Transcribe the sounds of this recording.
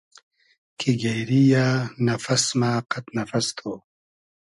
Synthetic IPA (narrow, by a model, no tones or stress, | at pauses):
kʰiɡejɾijaːnɐfɐsmaːqɐt̪nɐfɐst̪ʰoː